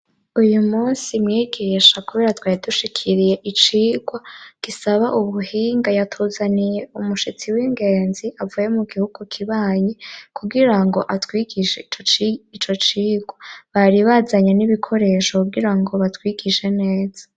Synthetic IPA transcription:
ujumuːnsimŋiːɡiːʃakuβe̞ːɾatwaːɾiduʃikʰiɾije̞ʔit͡ʃiːɡwaɡ̥isaβaʔuβuhiːŋɡajatʰuzanije̞umuʃit͡siwiŋɡe̞ːnziavujemuɡihuɡ̥ukʰiβaːjekʰuɡiɾaŋɡo̞ʔatwiɡiʃeit͡ʃot͡ʃit͡ʃo̞t͡ʃiːɡwaβaɾiβazaɲeniβikʰo̞ɾe̞ːʃokuɡiɾaŋɡo̞βatwiɡiʃe̞ne̞ːz̥ḁ

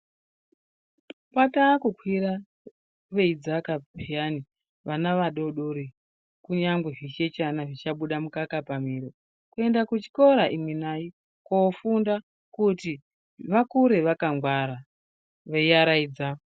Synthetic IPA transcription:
pataːkukʰwiɾa | ʋe̞id͡zakapʰijani | ʋanaʋaɗo̞ɗoɾi | kuɲaŋɡweʐit͡ʃe̞t͡ʃanaʐit͡ʃaɓuɗamukakapamiɾo | kue̞ndakut͡ʃi̥ko̞ɾaʔimwenaji | koːfunda | kuti | ʋakuɾe̞ʋakaŋɡwaɾa | ʋejaɾaid͡za

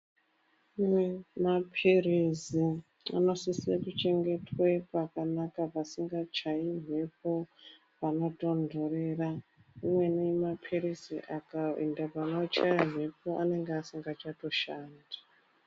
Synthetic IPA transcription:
umwemapʰerezi | a̰no̞sisiekut͡ʃe̞ŋɡetwepakanakapasiŋɡat͡ʃaim̤ʱepo | panoto̞ndʱoreraumwe̞nemapʰeɾiziʔakaḭndapanot͡ʃajam̤e̞po̞ʔane̞ŋɡeasiŋɡat͡ʃato̞ʃaːnda

